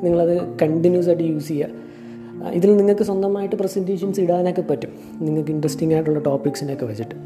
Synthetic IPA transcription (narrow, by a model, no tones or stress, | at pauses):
niŋːɐɭɐðɨkɐɳʈinjuːs̬ɐʈɨjuːsijːɐ | ḭðilniŋːɐɭkɨswɐnd̪ɐmaːjiʈːɨprɐsindiːʂɐnsiɽaːnokːepːɐtːum | niŋːɐɭkɨiɳɖrɐsʈiŋːaːjiʈːuɭːɐʈo̞ːpːiksindeokːeʋɐt͡ɕːiʈːɨ̥